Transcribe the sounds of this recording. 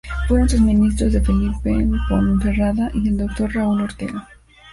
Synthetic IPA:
feusozmĩnis̬t̪ɾozðefelipepwa̰nunθeraðaʔield̪ok̚t̪o̞ɾrauloɾt̪ḛɣo

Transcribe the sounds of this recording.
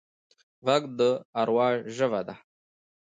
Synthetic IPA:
vaɡd̪əaɾwɑːʒʒəvad̪a

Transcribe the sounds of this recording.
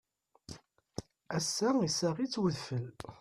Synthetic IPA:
æsːæisæʁit͡sːwəðfəl

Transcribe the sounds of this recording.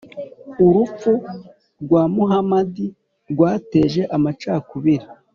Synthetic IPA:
uɾup͡fu | ɾɡwaːmuɦamadi | ɾɡwaːte̞ʒe̞ʔamat͡ʃaːkuβiɾi

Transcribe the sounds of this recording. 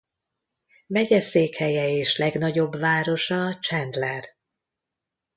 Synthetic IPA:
mɛɟɛseːkhɛjɛeːʃlɛɡnɒɟo̞bvaːɾo̞ʃɒt͡ʃɛnd̪lɛr

